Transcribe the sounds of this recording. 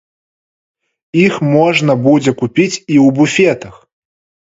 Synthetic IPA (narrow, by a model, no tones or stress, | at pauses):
ixmɔʐnɐbud͡zʲɛkupʲit͡sʲiwbufʲɛt̪ɐx